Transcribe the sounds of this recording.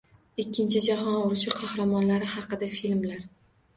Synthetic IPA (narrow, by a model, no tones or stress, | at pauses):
ɪkʲːɪnt͡ʃʰɪd͡ʒaɦɒnʊɾɪʃɪqʰɑhɾamɒnlaɾɪhɑqɨd̪afilmlaɾ